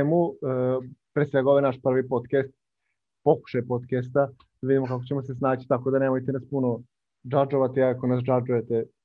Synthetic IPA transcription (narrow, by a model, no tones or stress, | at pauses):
emu | pɾesʋe̞ɡaoʋenaʃpr̩ʋipo̞d̪kest̪̚ | po̞ku̥ʃajpo̞d̪kest̪a | ʋid̪imo̞kakot͡ɕemosesnaːt͡ɕi̥t̪ako̞d̪aneːmojt̪enaspuno | d͡ʒad͡ʒoʋat̪iakonas̬d͡ʒad͡ʒuje̞t̪e